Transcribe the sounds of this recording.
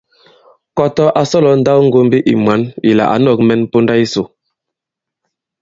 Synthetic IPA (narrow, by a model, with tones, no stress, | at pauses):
kɔ˦tɔ˦ʔa˨sɔ˦lɔ˨˦n̩˦da˦wŋ̩˦ɡo˦m˦bi˦ʔḭ˨mwa˨˦ni˨la̰˨ʔa̰˨˦nɔ˦˨k̚mɛ˦npo˦nda˦i˦so˨